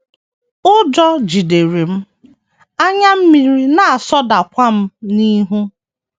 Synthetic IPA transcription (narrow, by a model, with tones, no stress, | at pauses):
ʊ˦d͡ʒɔ˦d͡ʒi˨de˨ɾi˨m̩˦ | a˦ɲa˦m̩˦mi˨ɾi˦na˨a˨sɔ˦da˨kʷa˦m̩˦ni˦ɦu˦